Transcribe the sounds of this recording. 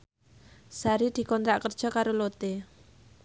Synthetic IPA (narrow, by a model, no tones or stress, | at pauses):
saɾid̪̥i̤kɔnt̪ɾaʔkərd̥ʒ̥ɔ̤kaɾolot̪e